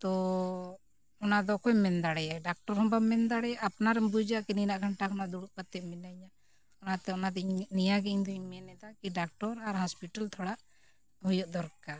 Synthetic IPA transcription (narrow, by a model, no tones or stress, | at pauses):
t̪ɔ | ɔnad̪ɔkɔjmɛnd̪aɽɛjaɖak̚ʈɔɾɦɔmbabmɛnd̪aɽɛjaʔapnaɾɛmbud͡ʒaʔkininaʔɡʱaɳʈakʰɔnaʔd̪uɽuʔpat̪ːɛʔminaɲa | ɔnat̪ɛɔnad̪nijaɡɛiɲd̪ɔiɲmɛnɛd̪akiɖak̚ʈɔɾaɾɦɔspiʈalt̪ʰɔɽaʔ | hujɔʔd̪ɔɾka